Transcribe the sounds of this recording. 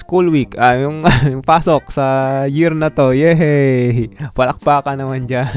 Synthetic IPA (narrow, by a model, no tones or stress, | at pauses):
skulwikajuŋpasɔk̚sajirnat̪ɔjɛɦe | palak̚pakanamand͡ʒa